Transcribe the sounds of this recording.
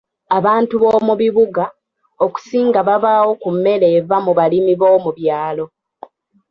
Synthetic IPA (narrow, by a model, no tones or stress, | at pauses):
aβaːntuβoːmuβiβuɡa | oku̥siːŋɡaβaβawo̞kumːe̞le̞ːvamuβalimiβo̞ːmuβjaːlo̞